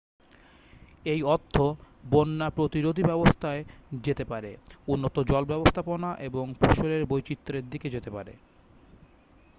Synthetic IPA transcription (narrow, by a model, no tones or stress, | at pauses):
ejɔt̪ʰːo | bonːapɾot̪iɾod̪ʱibɛbost̪ʰaed͡ʑet̪epaɾeunːot̪od͡ʑɔlbɛbost̪ʰaponaʔeboŋfʰoʃoleɾbojt͡ɕit̪ːɾeɾd̪iked͡ʑet̪epa̰ɾḛ